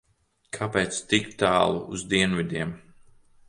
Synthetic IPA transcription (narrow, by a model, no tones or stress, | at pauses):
kʰapɛːt̪st̪ikt̪aːlˠuuzd̪iɛnvʲid̪ʲiɛm